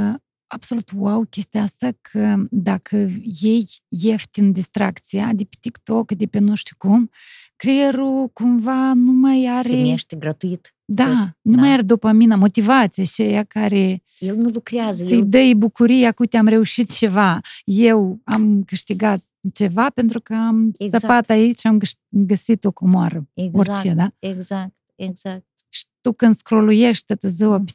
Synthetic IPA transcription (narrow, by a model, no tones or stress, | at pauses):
abso̞lut̪wawkʲe̞st̪ʲeaast̪akʰəd̪akʰəje̞jːe̞ft̪ʲɨnd̪ʲist̪ɾakt̪sijad̪epe̥t̪ikt̪o̞kd̪epenoʃt̪ikum | kɾieɾukumvanumajaɾejeʃt̪eɡɾat̪uit̪ | d̪anumajaɾed̪opəminamo̞t̪ivat̪sijat͡ʃejakaɾe̞ | ilnulukɾiazsijd̪əjbukuɾijakut̪iamɾɛuʃit̪̚t͡ʃɛvajewamkəʃt̪iɡat̪̚ | t͡ʃɛvapent̪ɾukaamsapat̪ait͡ʃamɡəsit̪okomwaɾəɔɾt͡ʃɛd̪aɛɡzak̚t̪ɛɡzak̚t̪ | ʃt̪ukənskɾolujɛʃt̪ət̪əzoap